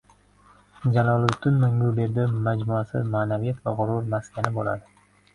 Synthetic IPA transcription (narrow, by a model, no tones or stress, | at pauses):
d͡ʒalˠɒlˠɪʊt̪ʰːʊnmʊŋɡʊbeɾd̪ɪmad͡ʒmuasɪ̰maːnavijat̪vaʁʊɾʊɾmaskʲʰanɪbola̰d̪ɪ